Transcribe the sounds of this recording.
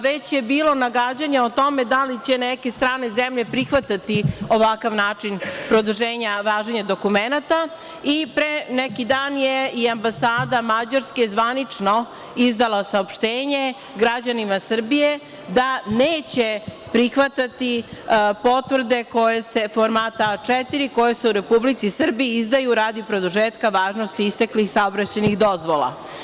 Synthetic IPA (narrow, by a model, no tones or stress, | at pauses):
ʋet͡ɕjebiːlo̞naɡad͡ʑaɲaot̪o̞me̞d̪alit͡ɕeneke̞st̪ɾaːnezemʎe̞pɾixʋat̪at̪ioʋakaʋnaːt͡ʂinpɾod̪uʒeːɲaʋaːʒeɲad̪o̞kumenat̪a | ipɾenekid̪aːnjeiambasaːd̪amad͡ʑaɾskezʋanit͡ʂno | izd̪alasaopʃt̪eːɲe̞ | ɡɾad͡ʑanimasr̩bije | d̪aneːt͡ɕe | pɾixʋat̪at̪ipo̞t̪ʋr̩d̪e̞ko̞jese̞foɾmaːt̪at͡ʂɛt̪iɾiko̞jeseuɾe̞publit̪sisr̩biiizd̪ajuɾaːd̪iupɾe̞d̪uʒeːt̪kaʋaːʒnost̪iist̪eklixsaobɾat͡ɕanixd̪o̞zʋolˠa̰